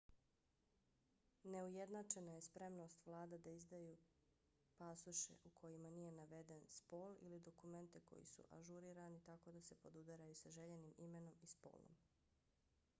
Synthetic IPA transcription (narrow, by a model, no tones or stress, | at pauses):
ne̞uje̞d̪nat͡ʃe̞naje̞spɾe̞mno̞st̪ʋlˠaːd̪ad̪aizd̪ajuː | pasuʃḛʔukʰo̞jimanije̞naʋe̞d̪enspoːlḭlid̪o̞kume̞nt̪eko̞̰jḭsṵʔa̰ʒuɾiːɾanit̪ako̞d̪asepo̞d̪ud̪aɾajusaʒe̞ʎenimime̞no̞mispo̞̰ːlˠo̰m